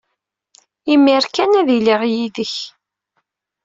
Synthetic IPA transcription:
imiɾkænæðiliʁjiðəç

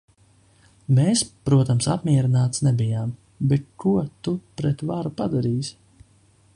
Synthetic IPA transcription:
meːspɾuɔt̪amsa̰pmʲiɛɾinaːt̪snɛbijaːm | bɛt̪̚kuɔt̪upɾɛt̪vaɾupad̪aɾiːsʲ

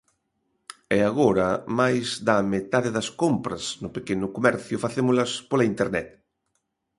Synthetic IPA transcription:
ɛaɣoɾamajzðamet̪aðeðɐskompɾɐznʊpekenʊkomɛɾθjʊfaθemʊlaspolaint̪eɾnɛt̪

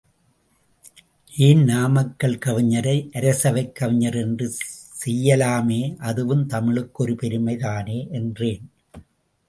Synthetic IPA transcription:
ʔeːnnaːmɐkːɐɭkɐʋɪɲːɐɾɐɪʔɐɾɐsɐʋɐɪkːɐʋɪɲːɐɾɛndrɯsɛjːɐlaːmeːʔɐðɯʋɯmt̪ɐmɪɭɯkːɔɾɯpɛɾɯmɐɪðaːneːʔɛndreːn

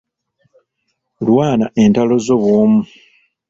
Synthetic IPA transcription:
lwaːnaʔe̞ntalo̞zo̞βwoːmu

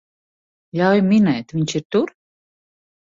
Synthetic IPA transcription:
ʎʲawjmʲinɛjt̪vʲiɲt͡ʃiɾt̪uɾ

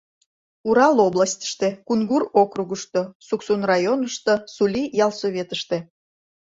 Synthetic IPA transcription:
uɾɑloblˠɑsʲt̪ʲə̥ʃt̪ekunɡurokruɣəʃt̪osuksunrɑjonəʃt̪osulʲijɑlˠsoβʲet̪əʃt̪e̽

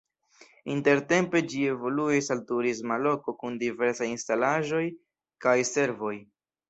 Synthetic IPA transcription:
inte̞ɾte̞mpe̞d͡ʒie̞vo̞luesaltuɾizmalo̞ko̞kundive̞ɾsajinstalaʒo̞j | kajse̞ɾvo̞j

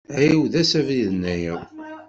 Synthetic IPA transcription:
ʕiwðæsæviðnːæjə

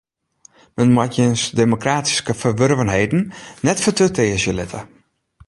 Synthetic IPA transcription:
mənmwatjənsdemokraːti̥skəfərʋørvənɦejdn̩nɛtfətøteːəsjəlɪtə̰

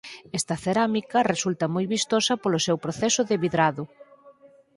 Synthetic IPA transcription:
ɛst̪ɐθeɾamikɐresult̪ɐmojβist̪osɐpolʊsewpɾoθɛsʊðeβiðɾaðʊ

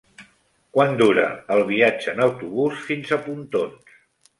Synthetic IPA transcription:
kwand̪uɾə̰ːlˠβ̞iḁd͡ʒəːnəwt̪uβusfinzəpunt̪ons

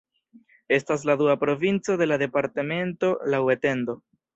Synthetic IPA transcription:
e̞stas̬laduapɾo̞vint͡so̞de̞lade̞paɾteme̞nto̞lawete̞nd̪o̞

